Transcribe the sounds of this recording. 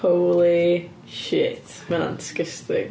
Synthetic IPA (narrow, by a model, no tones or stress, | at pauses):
oʊlˠi | ʃɪ̰t | mæ̰̃nskɪstɪ̰k